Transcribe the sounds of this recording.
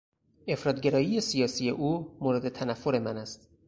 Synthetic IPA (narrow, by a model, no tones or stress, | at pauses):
e̞fɾɒːt̪̚ɡeɾɒːjije̞sijɒːsije̞ʔuːmoɾed̪e̞t̪ʰænæfːoɾe̞mænæst̪